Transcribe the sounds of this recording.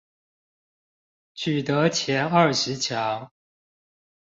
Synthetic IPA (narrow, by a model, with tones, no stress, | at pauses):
t͡ɕʰy˨˩t̪ɤ˨˦t͡ɕʰjɛ˨˥nɐ˞˥˩ʂɻ̩˨˦t͡ɕʰjɑ˨˦˥ŋ